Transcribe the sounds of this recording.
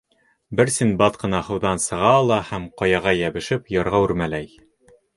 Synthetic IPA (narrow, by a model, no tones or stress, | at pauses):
bɘɾsinbɑt̪qɤ̆nɑhɤ̆wðɑnsɤ̆ʁɑlˠɑhæmqɑjɑʁɑjæβɘ̆ʃɘpjɑɾʁɑʉɾmælæj